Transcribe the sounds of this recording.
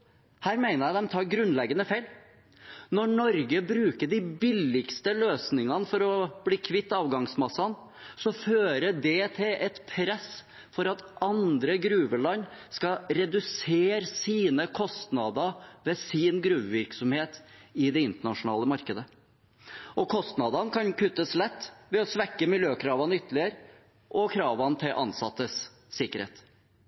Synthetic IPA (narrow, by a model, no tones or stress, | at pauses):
hæːɾmæɪnəɾjæd̪ɛmt̪ʰɑːɾɡɾʉnlɛɡənəfæɪl | nɔɳɔɾɡəbɾʉːkəɖɪbɪlɪkst̪əløːsnɪŋɑnəfɔɾɔb̥liːkʰʋɪt̪ːɑːʋɡɑŋsmɑsːɑn | sɔføːɾəɖɛt̪ʰɪlɛt̪pʰɾɛs | fɔɾɑt̪ɑnd̪ɾəɡɾʉːʋəlɑnskɑɾɛd̪ʉseːɾsiːnəkʰɔst̪nɑd̪ɑʋɛsɪnɡɾʉːʋʋɪɾksɔmheːt̪ɪd̪ɛɪnt̪əɳɑʂʊnɑ̰ːləmɑɾkəd̪ə | ʔɔkʰɔst̪nɑd̪ɑnkʰɑnkʰʉt̪ːəslɛt̪ːʋɛɔsʋɛkːəmɪljøːkʰɾɑːʋɑnʏt̪ːəlɪəɾ | ʔɔkʰɾɑːʋɑnt̪ʰɪlʔɑ̰nsɑt̪ːəsː | ɪkːəɾhḛːt̪